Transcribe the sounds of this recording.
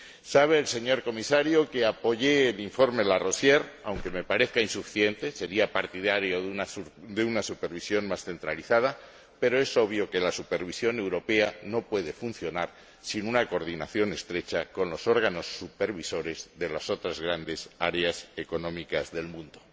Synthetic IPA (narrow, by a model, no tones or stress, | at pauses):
saβ̞e̞ːlse̞ɲo̞ɾko̞misaɾjokeapo̞ʝe̞ːliɱfo̞ɾmelaro̞sje̞ɾawŋke̞me̞paɾe̞θkainsufi̥θje̞nt̪e̞se̞ɾiapaɾt̪iðaɾjo̞ðunaðeunasupe̞ɾβisjo̞nmasθe̞nt̪ɾaliθað̞a | pe̞ɾo̞e̞so̞β̞jo̞ke̞lasupe̞ɾβ̞isjo̞ne̞wɾo̞pe̞ano̞pwe̞ðe̞fun̟θjo̞naɾ | sinunakoɾð̞ina̰θjo̞ne̞st̪ɾe̞t͡ʃako̞nlo̞so̞ɾɣ̞ano̞sːupe̞ɾβiso̞ɾe̞zðe̞laso̞t̪ɾazɣɾand̪e̞sa̰ɾease̞ko̞nõ̞mikazðe̞lmũnd̪o